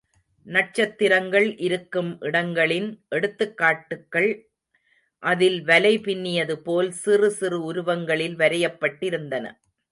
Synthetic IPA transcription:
nɐʈ̚t͡ʃɐt̪ːɪɾɐŋɡɐɭʔɪɾɯkːɯmʔɪɽɐŋɡɐɭɪnʔɛɽɯt̪ːɯkːaːʈːɯkːɐɭ | ʔɐðɪlʋɐlɐɪpɪnːɪjɐðɯpoːlsɪrɯsɪrɯʊɾʊʋɐŋɡɐɭɪlʋɐɾɐjɐpːɐʈːɪɾɯnd̪ɐnɐ̰

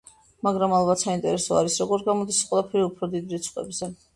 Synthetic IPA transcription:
maɡɾamalˠbat̪saint̪ʼɛɾɛsɔa̰ɾisɾɔɡɔɾɡamɔd̪isḁqʼwɛlˠapʰɛɾiupʰɾɔd̪id̪ɾit̪sʰʼχʼwɛ̰bzɛ

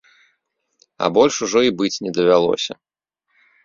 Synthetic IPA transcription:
ɐ̰bɔlʲʂuʐɔibɨt͡sʲnʲɛd̪ɐvʲalˠɔ̰sʲɐ̰

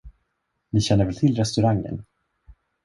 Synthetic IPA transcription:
nɪɕɛnːəɾvɛlt̪ʰɪlɾɛst̪ɵɾaŋːə̰n

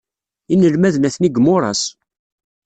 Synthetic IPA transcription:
inəlmæðnæθniɡmʊɾˤɑ̰s

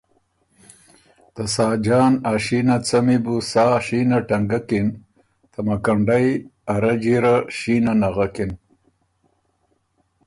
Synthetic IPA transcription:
t̪asaːd͡ʒaːnaʃinat͡samibusaːʃinaʈɐŋɡakin | t̪ʰɐmakaɳɖajaɾad͡ʒiɾaʃinanaɣakin

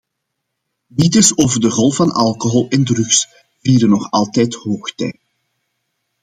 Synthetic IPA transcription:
nitɪsoːvərdəɣɔlˠfɑnɑlˠkoɦɔlˠɛndrʏxs | viːɾənɔxɑlˠtɛjthoːxtɛ̰j

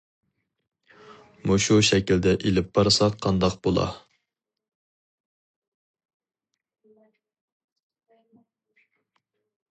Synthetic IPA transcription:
muʃuʃɛkʲild̪ɛʔelɪp̚bɑɾsɑqʰːɑnd̪ɑqb̥olˠɑ̰

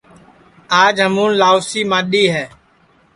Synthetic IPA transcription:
aːd͡ʒɦəmũːnlaːoːsiːmãːɗiːɦɛː

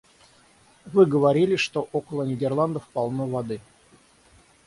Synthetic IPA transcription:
vɨɡəvaɾʲilʲɪʂt̪oʔokəlˠənʲɪdʲerlˠand̪əfpɑlˠnovad̪ɨ

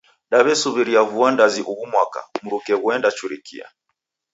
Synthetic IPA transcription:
ɗaβɛsuβiɾiavuandaziʔuɣumwaka̰muɾukɛɣuɛndat͡ʃuɾikḭa̰

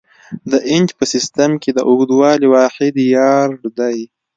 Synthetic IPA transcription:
d̪əʔɪnd͡ʒpəsɪst̪amked̪əʔʊɡd̪wɑliwɑxɪd̪jɑɾɖd̪aj

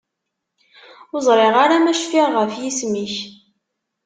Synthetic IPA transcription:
ʊzˤɾˤeʁaɾamæʃfiʁʁəfjismiç

